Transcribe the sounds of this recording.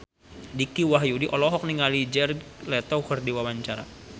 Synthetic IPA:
dikiwaɦjudiʔɔlɔɦɔk̚niŋalid͡ʒɛrɡlɛt̪ɔwkərdiwawaɲt͡ʃaɾa̰

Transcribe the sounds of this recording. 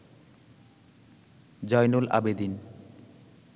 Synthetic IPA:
d͡ʑɔjnolʔa̰bed̪in

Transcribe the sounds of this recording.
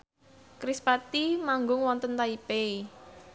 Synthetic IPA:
kɾispat̪imaŋɡʊŋwɔnt̪ənt̪aipei

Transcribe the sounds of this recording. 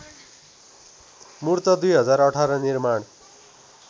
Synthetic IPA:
murt̪ʌd̪ujɦʌd͡zarʌʈʰaɾʌnirmaɽ

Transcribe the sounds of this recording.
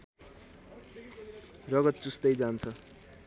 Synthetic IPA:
rʌɡʌt̪̚t͡sust̪ʌjd͡zant͡sʰʌ

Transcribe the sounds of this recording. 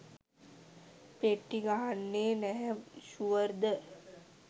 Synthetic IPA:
peʈːiɡaɦanːeːnɛɦɛmʃuʋəɾd̪ə

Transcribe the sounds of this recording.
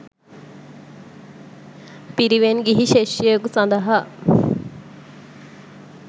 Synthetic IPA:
piɾiʋenɡiɦiʃeʃekusɐnd̪ɐɦa

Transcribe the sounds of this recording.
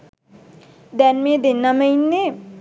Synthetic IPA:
d̪ɛnmẽd̪enːaməinːe

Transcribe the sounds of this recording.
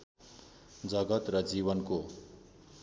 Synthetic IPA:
d͡zʌɡʌt̪rʌd͡ziβʌnko

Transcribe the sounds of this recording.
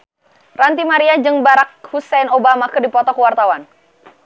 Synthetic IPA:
rant̪imaɾiad͡ʒɨŋbaɾak̚husɛnobamakərdipɔt̪ɔkuwart̪awan

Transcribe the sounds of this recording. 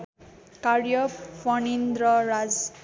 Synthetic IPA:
kaɾjʌpʌnind̪ɾʌɾad͡z

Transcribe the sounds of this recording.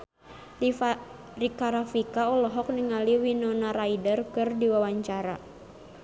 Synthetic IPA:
rikaɾafikaɔlɔɦɔk̚niŋaliwinɔnaɾaidərkɨrdiwawaɲt͡ʃaɾa

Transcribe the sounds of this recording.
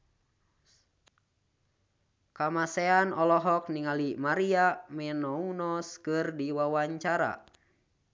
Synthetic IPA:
kamasɛanɔlɔɦɔk̚niŋalimaɾiamɛnɔunɔskɨrdiwawaɲt͡ʃaɾa̰

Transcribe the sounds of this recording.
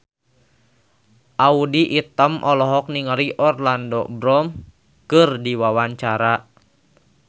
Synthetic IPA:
ʔaudiʔit̪əmʔɔlɔɦɔk̚niŋəɾiʔɔrlandɔbɾɔm | kɨrdiwawaɲt͡ʃaɾa

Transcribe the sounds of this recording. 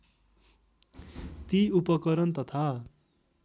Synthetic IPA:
t̪iupʌkʌɾʌnt̪ʌt̪ʰa

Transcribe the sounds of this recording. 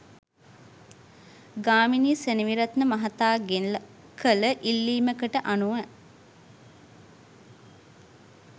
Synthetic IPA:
ɡaːminiːseniʋiɾat̪nəmɐɦat̪aːɡe | kʰələʔilːiːməkəʈəʔanuʋæ

